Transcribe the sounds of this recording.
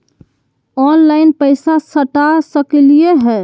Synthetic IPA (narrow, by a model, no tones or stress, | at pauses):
ɔnlaɪnpəɪsasəʈasəklijeɦɛː